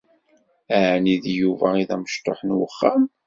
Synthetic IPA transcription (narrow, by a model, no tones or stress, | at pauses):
æʕniðjuvæiðæməʃt̪ːoħnwəχːæm